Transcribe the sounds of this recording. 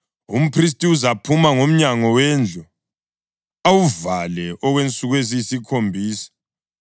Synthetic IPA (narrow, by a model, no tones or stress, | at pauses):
ṵm̩pʰris̬tʼiuzapʰumaŋom̩ɲaŋɔwɛnd͡ɮʱɔ | awuvalɛʔɔɣwent͡sʼuɣwezisikʰombʱiːsḁ